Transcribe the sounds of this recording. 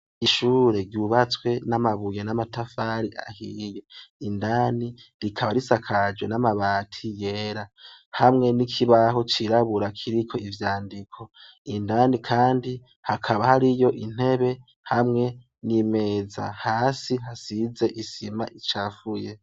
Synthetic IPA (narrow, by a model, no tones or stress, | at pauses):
iʃuːɾe̞ɾɟjuβat͡swe̞namaβujenamatafaɾiʔa̰hijeindaːniɾikʰaβaɾisakʰad͡ʒwe̞namaβaːtʰije̞ːɾahamŋe̞nikʰiβaɦo̞t͡ʃiɾaβuɾakʰiɾikʰo̞ivjaːndikʰo | indanikʰaːndi | hakʰaβahaɾijo̞ʔin̥he̞βe̞ | hamŋe̞ | nime̞ːza̰haːsiɦasize̞ʔisima̰ʔit͡ʃafuje